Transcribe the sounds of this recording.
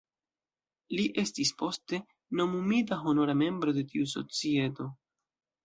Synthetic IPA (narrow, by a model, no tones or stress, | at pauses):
liʔe̞stispo̞ste̞ | no̞mumitaɦo̞no̞ɾame̞mbɾo̞de̞tiuso̞̰t͡sie̞to̞